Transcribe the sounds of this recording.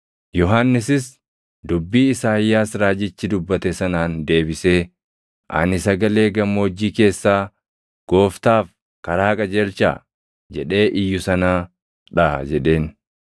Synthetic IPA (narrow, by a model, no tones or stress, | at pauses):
jɔɦanːɪsɪs | d̪ʊbːiːɪsaːɪjːaːsɾaːd͡ʒɪt͡ʃːɪd̪ʊbːɐt̪ɛsɐnaːnd̪e̞ːbɪse̞ː | ʔɐ̰nɪsɐɡɐle̞ːɡɐmoːd͡ʒːiːke̞ːsːaː | ɡ̥o̞ːft̪aːf | kɐɾaːkʼɐd͡ʒɛlt͡ʃa̰ː | d͡ʒɛᶑe̞ːʔɪjːʊsɐnaː | ᶑɐd͡ʒɛᶑe̞ːn